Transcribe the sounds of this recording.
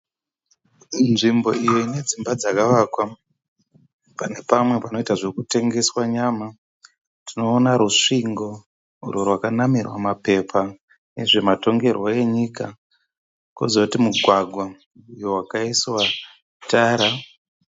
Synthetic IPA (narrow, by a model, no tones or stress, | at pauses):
nʐimbo̞̰ijo̞ine̞d͡zimbad͡zakaʋaːkwa | pane̞pamwe̞panoitaʐekute̞ŋɡe̞swaɲaːma | tino̞ːnaɾuʂiŋɡo̞ | rorwakanamirwa̰mape̞pʰa | ne̞ʐe̞mato̞ŋɡe̞rwoe̞ɲika | kozautimuɡʱwaɡʱwa | ujo̞wakaiswa | taːɾa